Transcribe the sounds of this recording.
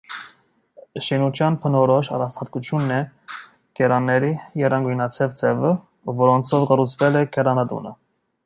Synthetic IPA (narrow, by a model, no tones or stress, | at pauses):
ʃinut͡ʃ̪ʰjɑnpʰənɔɾɔʃɑ̰rɑst̪ʰɑt̪kut͡sʰjunːɛ | kɛɾɑnːɛɾijɛrɑŋɡujnɑt͡sʰɛvt͡sʰɛvə | vɔɾɔnt͡sʰɔvɡəɾut͡sʰvɛlɛkɛɾɑnɑd̪ṵnə̰